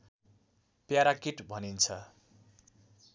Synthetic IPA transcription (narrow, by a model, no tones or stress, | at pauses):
pjaɾakiʈbʱʌnint͡sʰʌ